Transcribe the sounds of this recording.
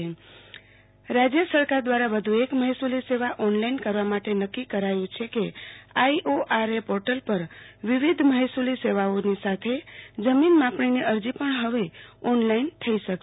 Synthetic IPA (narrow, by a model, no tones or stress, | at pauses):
ɾad͡ʒjəsəɾkaɾd̪ʋaɾaʋəd̪ʱuekməɦisuliseʋaʔɔnlainkəɾʋamaʈenəkːikəɾajũt͡ʃʰekeaiʔoʔaɾepoɾʈəlpəɾʋiʋid̪ʱməɦisuliseʋaonisat̪ʰed͡ʒəminmãpɳiniʔəɾd͡ʒipəɳɦəʋeɔnlaint̪ʰəiʃək